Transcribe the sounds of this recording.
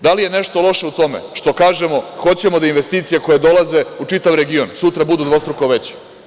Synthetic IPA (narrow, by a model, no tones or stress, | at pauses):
d̪alijeneʃt̪o̞lo̞ʃe̞ut̪o̞mḛʃt̪o̞kaːʒemo̞xo̞t͡ɕe̞mod̪ainʋest̪iːt̪sijeko̞je̞d̪o̞laze̞ut͡ʂit̪aʋɾe̞ɡionsut̪ɾabud̪ud̪ʋo̞st̪ɾukoʋet͡ɕi̥